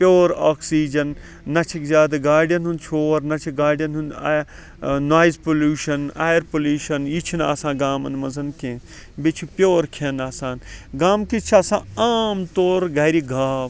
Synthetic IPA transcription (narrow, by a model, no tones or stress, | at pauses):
pʲjoːɾaːksiːd͡ʒɐnː | ɐt͡ʃʰikzʲaːd̪ɐɡaːɖijɐnɦunt͡ʃʰoːɾnɐt͡ʃʰiɡaːɖjɐnɦuna | naːjzpoluːʃɐna̰ːjɐɾpoluːʃɐnjit͡ʃʰina̰ːsãːɡaːmɐ̰nmɐzɐnkẽː | bit͡ʃʰupʲjoːɾkʰenaːsãːnɡaːmkit͡ʃʰaːsãːaːmt̪oːɾɡaːɾiɡʱaːb